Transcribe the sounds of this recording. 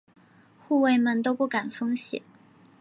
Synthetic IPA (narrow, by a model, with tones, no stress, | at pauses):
xu˥˧we˥˧ɪmə˧nt̪o˥ʊpu˥˩ka˨˩nt͡sʰʊ˥ŋɕjɛ̰˨˩˦